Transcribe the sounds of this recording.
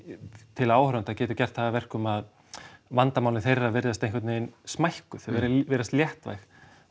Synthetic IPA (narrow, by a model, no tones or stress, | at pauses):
t̪ʰɪlaːwhɾant̪acɛːt̪ʏcɛr̥t̪θaðavɛr̥kʏmað | vant̪amawlɪnθejrːavɛɾðast̪ejŋkvɛt̪neɪnsmajhkʏθvɛɾɪvɛːɾast̪ljɛht̪va̰jx